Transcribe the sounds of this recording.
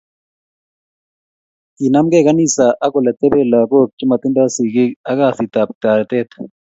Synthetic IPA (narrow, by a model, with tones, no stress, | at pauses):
ki˨na˦mɡɛ˦˨ka˦ni˦˨sa˨ʔa˦ko˨lɛ˨t̪ɛ˦bɛ˦la˨ko˦k̚t͡ʃi˦ma˨t̪ɪ˦nda˦si˨ki˦a˦ɡa˦˨si˨t̪a˨p̚t̪a˨ɾt̪ɛ˦t̪